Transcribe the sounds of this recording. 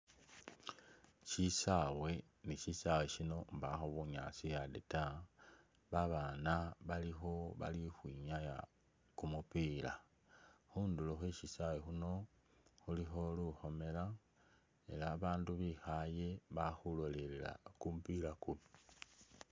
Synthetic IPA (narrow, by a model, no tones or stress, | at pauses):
ʃisawe̞ | niʃisaweʃino̞mbaxoβuɲa̰sijadeta | βaβanaβalixo̞βa̰lixwiɲaja̰ | kumupiːla | xunduloxwe̞ʃisawexuno̞ | xulixo̞luxo̞me̞la | e̞laβaːnduβixaje̞βaxulo̞lelela̰kumpilakum